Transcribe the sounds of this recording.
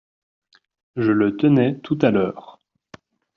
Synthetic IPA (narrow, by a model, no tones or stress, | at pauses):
ʒələt̪ənɛt̪ʰut̪alœːʁ